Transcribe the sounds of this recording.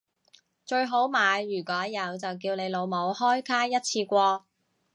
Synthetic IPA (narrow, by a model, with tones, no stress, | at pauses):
t͡ʃɵ˧ɥɦo˨˥wmaː˨˧jːyː˨˩kʷɔː˨˥jɐ˨˧wt͡sɐ˨wk̬iː˧wne˨˧jlo˨˧wmo˨˧whɔː˥jkʰaː˥jɐ˥t̚t͡sʰiː˧kʷɔː˧